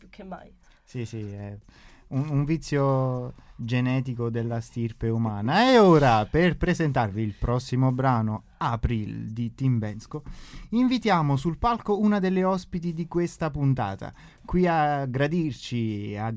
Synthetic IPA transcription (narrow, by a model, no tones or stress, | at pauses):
pukʰːeaj | sisiɛ | unuɱvit̪sːjo | d͡ʒenɛːt̪̬ikod̪elːast̪irpeumaːnaeoːɾaperpɾezent̪arviːlpɾɔsːimobɾaːno | apɾild̪it̪imbɛnskoiɱvit̪jaːmos̬ulpalkounad̪elːeɔspit̪id̪ikwest̪apunt̪a̰ːt̪a̰ | kwiaɡɾad̪irt͡ʃia